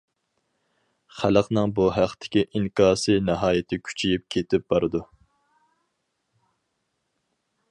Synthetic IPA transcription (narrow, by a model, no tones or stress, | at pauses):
χæləqnɨŋbuɦæqt̪ʰɪ̥kʲiʔiŋkʰɑːsɨnɑɦɑːjɪt̪ʰɪkʲʰy̥t͡ʃʰijip̚kʲʰet̪ʰɪp̚b̥ɑɾɨd̪u